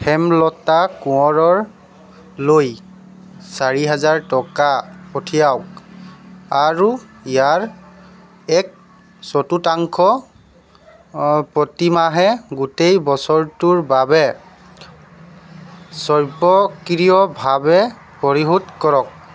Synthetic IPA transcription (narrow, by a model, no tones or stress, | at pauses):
pʰɛmlɔtakuɔɹɔɹ | loj | saɹiɦazaɹtɔkapotʰijawk | aɹuijaɹ | ɛk̚ | sɔtutaŋkʰɔ | pɹɔtimaɦɛɡutejbɔsɔɹtuɹbabɛ | sɔɹbɔkɹijɔbʱabɛ | pɔɹiɦutkɔɹɔk̚